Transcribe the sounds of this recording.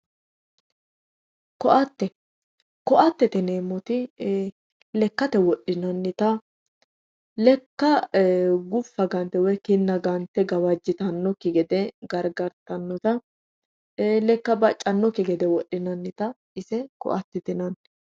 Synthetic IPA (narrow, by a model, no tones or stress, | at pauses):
kɔʔɐt̪ːɛ | kɔʔɐt̪ːɛt̪ɛneːmːɔt̪ɪ | lɛkːɐt̪ɛwɔɗːɪnɐnːɪt̪ɐ | lɛkːɐ | ɡʊfːɐɡɐnt̪ːɛwɛkɪnːɐɡɐnt̪ːɛɡɐwɐd͡ʒːɪt̪ɐnːɔkːɪɡɛd̪ɛɡɐɾɡɐɾt̪ɐnːɔt̪ɐ | lɛkːɐbɐt͡ʃʼːɐnːɔkːɪɡɛd̪ɛwɔɗːɪnɐnːɪt̪ɐ | ʔɪsɛkɔ̰ʔɐt̪ːɛt̪ɪnɐn